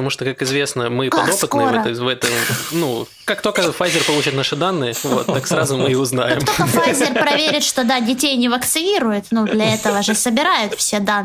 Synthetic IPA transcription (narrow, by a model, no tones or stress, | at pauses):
ɐmuʂt̪okakɪzvʲe̞snəmɨpɐd̪opɨt̪nɨvɛt̪əvɛt̪ənu | kakt̪okəfajzʲɪrpɐlˠut͡ɕɪt̪naʂɨd̪anːɨɪvo̰t̪ːaksɾazʊmɨɪʊznajɪkmt̪okəfajzʲɪrpɾɐvʲeɾʲɪt̪ʂt̪o̞d̪adʲɪtʲejnʲɪvəkt̪sɨnʲiɾʊjɪt̪nud̪lʲɐɛt̪əvəʐɨsəbʲɪɾajʊt̪fsʲed̪a